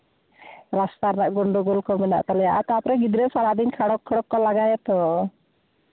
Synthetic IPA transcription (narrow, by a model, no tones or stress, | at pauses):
ɾast̪aɾnaʔɡɔɳɖuɡɔlkɔmɛna̰ʔt̪alɛjaʔat̪ɔapɾɛɡid̪ɾɛsalaʔd̪inkʰaɽɔkʰːaɽɔkːɔlaɡajɛt̪ɔ